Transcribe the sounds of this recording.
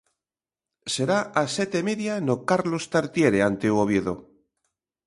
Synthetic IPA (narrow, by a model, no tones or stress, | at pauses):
seɾaʔaset̪emeðjanokaɾlost̪aɾt̪jeɾeant̪euoβjeðo̰